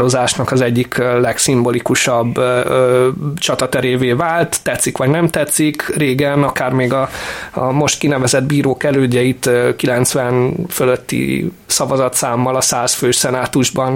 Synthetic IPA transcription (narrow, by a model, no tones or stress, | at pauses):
ɾozaːʃnɒkɒzɛɟːiklɛksimbo̞likuʃɒbː | t͡ʃɒt̪ɒt̪ɛɾeːveːvaːlt̪ːɛt̪sikʋɒɟnɛmt̪ɛt̪sikreːɡɛnɒkaːrmeːɡɒ | mo̞ʃt̪kinɛvɛzɛd̪biːɾoːkɛløːɟːɛit̪kilɛnt̪sʋɛnføløt̪ːḭ | sɒvɒzɒt̪saːmːɒlɒsaːsføːʃsɛnaːt̪uʒbɒn